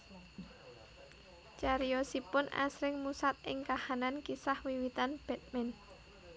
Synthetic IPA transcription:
t͡ʃaɾijɔsipʊna̰sɾɪŋmusat̪̚ɪŋkahanankisahwiwit̪anb̥ɛ̤t̪̚mɛn

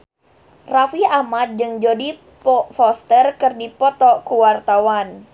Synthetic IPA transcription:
rafiamat̪̚d͡ʒɨŋd͡ʒodi | pɔfɔst̪ərkɨrdipɔt̪ɔkuwart̪awan

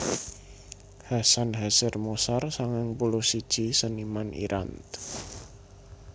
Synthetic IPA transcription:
hasanɦasɪrmosarsaŋaŋpulʊhsid̥ʒ̥isənimanḭɾʔa̰nt̪

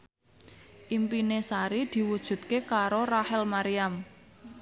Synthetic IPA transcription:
ʔimpinesaɾid̪̥i̤wud̥ʒ̥ṳt̪̚kekaɾoɾahɛlmaɾiam

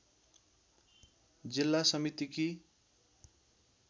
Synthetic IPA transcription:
d͡zilːasʌmit̪iki

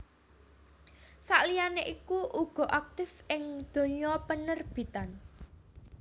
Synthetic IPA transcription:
sa̰ʔlijaneʔikuʔuɡ̥ɔ̤ʔak̚t̪ɪfʔɪŋd̪̥o̤ɲɔpənərb̥i̤t̪an

